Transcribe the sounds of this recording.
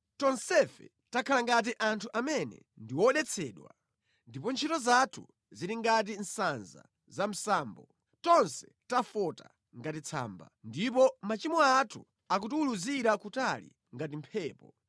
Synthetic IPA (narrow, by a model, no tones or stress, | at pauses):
tɔnsɛfɛ̰ | takʰalaŋɡat̬iʔantʰuʔamɛnɛ̰ | ndiwɔɗɛt͡sʰɛːɗwa̰ | ndipɔnt͡ʃʰitɔzatʰu | ziɾiŋɡat̬in̩sanza̰ | zam̩saːmbɔ | tɔnsɛ̥ | tafɔta̰ | ŋɡatit͡sʰa̰ːmba̰ndip̬ɔmat͡ʃimɔatʰu | akutuuluziɾakutalḭ | ŋɡatim̩pʰɛːpɔ